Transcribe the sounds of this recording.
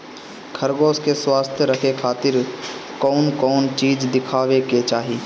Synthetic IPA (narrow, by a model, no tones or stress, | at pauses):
kʰəɾɡoːskeswaːst̪ʰjəɾəkʰekʰaːt̪ɪɾkɔːnkɔːnt͡ʃiːd͡ʒd̪ɪkʰaːʋeket͡ʃaːɦiː